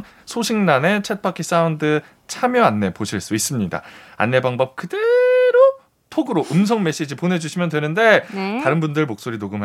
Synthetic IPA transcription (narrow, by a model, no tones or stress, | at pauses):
n | sʰoɕʰiŋnane̞t͡ɕʰet̚pʰakʰis͈aundɯ | t͡ɕʰamjʌanːe̞poɕʰiɭs͈uis͈ɯmɲida̰a̰nːe̞baŋbʌp̚kɯde̞ɾo | tʰoɡɯɾoʔɯms̬ʰʌŋme̞ɕ͈id͡ʑipone̞d͡ʑuɕʰimjʌndwenɯnde̞taɾɯnbundɯɭmok̚s͈oɾinoɡɯmɦa